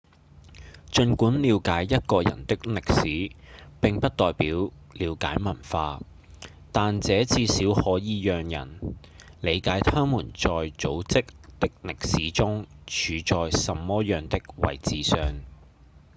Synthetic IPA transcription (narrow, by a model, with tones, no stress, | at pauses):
t͡ʃɵ˧nkuː˨˥nliː˨˧wkaː˨˥jːɐ˥t̚kɔː˧jɐ̰˨˩nt̪ɪ˥k̚lɪ˨k̚siː˨˥pɪ˨ŋpɐ˥t̚t̪ɔː˨jpiː˨˥w | liː˨˧wka̰ː˨˥jmɐ˨˩nfaː˧ | t̪aː˨nt͡sɛː˨˥t͡siː˧siː˨˥whɔː˨˥jiː˨˧jœː˨ŋjɐ̰˨˩n | le˨˧jkaː˨˥jt̪ʰaː˥ŋmuː˨˩nt͡sɔː˨jt͡so˨˥wt͡sɪ˥k̚t̪ɪ˥k̚lɪ˨k̚siː˨˥t͡sʊ˥ŋt͡ʃʰyː˨˧t͡ʃɔː˨jsɐ˨mːɔː˥jœː˨ŋt̪ɪ˥k̚wɐ̰˨jt͡siː˨˧sœː˨˧ŋ